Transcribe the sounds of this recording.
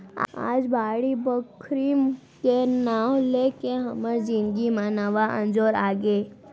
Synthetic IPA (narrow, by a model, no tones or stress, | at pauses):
a̰d͡ʒbaɽibəkʰɾim | kenaʋlekeɦəməɾd͡ʒĩŋɡimãnəʋaʔə̰̃nd͡ʒoɾaɡe